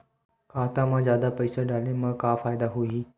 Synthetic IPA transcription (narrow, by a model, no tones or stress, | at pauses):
kaːt̪ãmãːzjaːd̪apəjsaɖʱaːlẽmãkafaːjd̪aɦui